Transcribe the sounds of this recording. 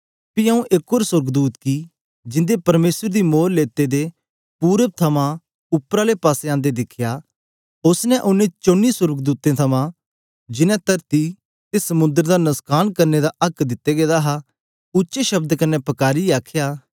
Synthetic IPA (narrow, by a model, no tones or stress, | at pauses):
piɐ̃ũʔekoːɾswʊɾɡd̪uːt̪ki | d͡ʒɪ̃nd̪epɐɾmeːsəɾd̪imoːɾleːt̪ed̪e | puːɾet̪ʰɐmã | ʊpːɾalepaːseãːnd̪ed̪ɪkʰja | ʊsnɛʔʊnːẽt͡ʃõːnːisʊɾɡd̪uːt̪ẽt̪ʰɐmã | d͡ʒɪnɛ̃t̪ɐɾt̪i | t̪esɐmʊ̃nd̪əɾd̪anɐskʰaːnkɐɾned̪aʔɐkd̪ɪt̪ːeɡeːd̪aɦa | ʊtːʃeʃɐbd̪kɐnːɛpɐkaːɾiaːkʰjaː